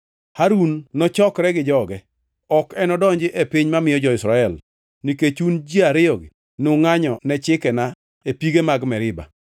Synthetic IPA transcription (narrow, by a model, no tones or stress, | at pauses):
haɾunːɔt͡ʃɔkɾɛɡɪd͡ʒɔɡɛ | ɔkɛnɔdɔɲd͡ʒɪʔepiɲmamɪjɔd͡ʒɔɪsɾaɛl | niket͡ʃund͡ʒiaɾɪɔɡɪ | nʊŋaɲɔnɛt͡ʃɪkɛna | epiɡemaɡmɛɾɪba̰